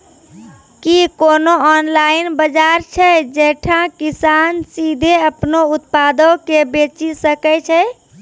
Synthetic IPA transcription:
kikonoɔnlainbəd͡ʒaɾt͡ʃʰɛd͡ʒeʈʰãkisansid̪ʱeəpnout̪pad̪əkebet͡ʃisəkɛt͡ʃʰɛ

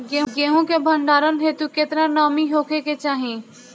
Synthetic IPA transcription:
ɡeɡeːɦõkebʱə̃ɳɖaːɾənɦet̪uket̪ɾanaːmiɦoːkʰeket͡ʃaːɦẽ

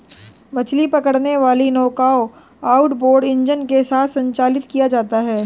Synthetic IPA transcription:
bɐt͡ʃlipɐkəɽneʋaːlinɔːkaːo | aːʊʈboːɾɖɪ̃ɲd͡ʒənkesaːt̪ʰsɐ̃ɲt͡ʃaːlɪt̪kijad͡ʒaːt̪aɦɛː

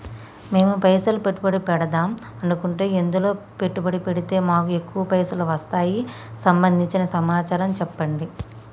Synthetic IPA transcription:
me̞ːmupɐjsɐlupeʈːubɐɽipɛɽɐd̪aːm | ɐnukuɳʈeːend̪ulo̞ːpe̞ʈːubɐɽipeɽit̪e̞ːmaːkue̞kːuʋɐpɐjsɐluʋɐst̪aːjisɐmbɐnd̪ʱiɲt͡ʃinɐsɐmaːt͡ʃaːɾɐmt͡ʃɛpːɐɳɖi

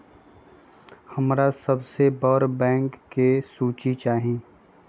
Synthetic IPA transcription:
hɐmɾasɐbsebəɾbɛ̃ːŋkːesuːt͡ʃit͡ʃaːɦĩː

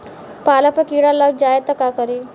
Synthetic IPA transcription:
palapəkiɽaləɡ̚d͡ʒaet̪əkakəɾi

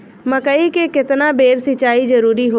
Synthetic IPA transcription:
mɐ̃kɐikekɪt̪nabeːɾsɪt͡ʃaːizɐɾuːɾiɦo

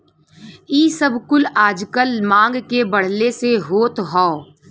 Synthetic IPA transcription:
iːsəbkʊlaːd͡ʒkəlmãːŋɡkebɐɽ̤leseɦoːt̪ɦɔː

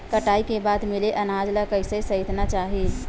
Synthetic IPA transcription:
kəʈaːikebaːd̪mɪleʔɐnaːd͡ʒləkəɪsesəɪt̪nat͡ʃaːɦi

